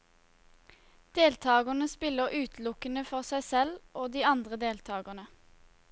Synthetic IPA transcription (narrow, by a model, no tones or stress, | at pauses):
d̪̥eːlt̪ʰɑːɡənəspɪləʁʔʉːt̪ʰlʊkənəfɔʁsæɪsɛlʔoːd̪iːɑnd̪ʁəd̪eːlt̪ʰɑːɡəʁnə